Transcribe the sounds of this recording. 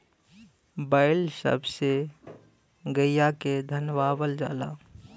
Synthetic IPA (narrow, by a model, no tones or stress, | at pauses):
baːɪlsə̰bse | ɡəjjaked̪ʱənbaːbəld͡ʒa̰ːlaː